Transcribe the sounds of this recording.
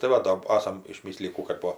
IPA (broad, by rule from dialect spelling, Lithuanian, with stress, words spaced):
tɐɪ ˈʋɐ doː ˈɑːsɐm ɪʃʲˈmʲɪsʲlʲɪjiː ˈkuː kɐt ˈpoː